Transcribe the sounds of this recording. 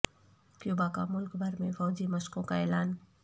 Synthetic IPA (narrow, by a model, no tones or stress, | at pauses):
kjoːbaka̰mʊlkbʱɐɾmẽfɔːd͡ʒimɐskõkaɛːlaːn